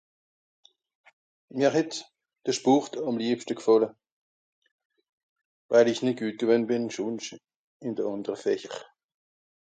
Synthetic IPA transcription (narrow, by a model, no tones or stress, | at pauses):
miːɐɦɛt | d̥əʃpuχtʰɑmliːpʃtəkfɔlə | vaɪlɪçnɪt̚ɡ̥yːt̚ɡ̥əvønbɪnʃunʃ | ɪnd̥əɑndəʁəfɛçəʁ